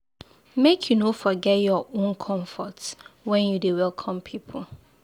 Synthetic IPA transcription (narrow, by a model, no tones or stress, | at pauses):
mekʰjunofɔɡɛtjɔʔõnkʰɔ̃ɱfɔtwɛ̃njudewɛlˠkʰɔ̃mpʰipʰl̩